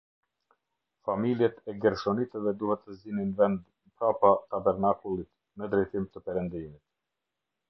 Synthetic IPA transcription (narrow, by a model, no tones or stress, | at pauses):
familjɛt̪ɛɡɛɾʃɔnit̪əvɛd̪uhɛt̪ːəzininvɛnd̪ | pɾapat̪abɛɾnakulˠit̪ | nəd̪ɾɛjt̪imt̪əpɛɾɛnd̪imit̪